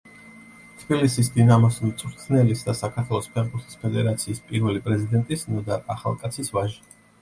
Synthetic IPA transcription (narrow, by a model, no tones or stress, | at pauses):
t̪ʰb̥ilisisd̪inamɔsmt̪sʼɾt̪ʰnɛlisd̪asakʰaɾt̪ʰwɛlˠɔspʰɛʁbuɾt̪ʰi̥spʰɛd̪ɛɾat̪sʰiːspʼiɾvɛlipʼɾɛzid̪ɛnt̪ʼisnɔd̪aaχa̰lˠkʼat̪sʰisvaʒi̥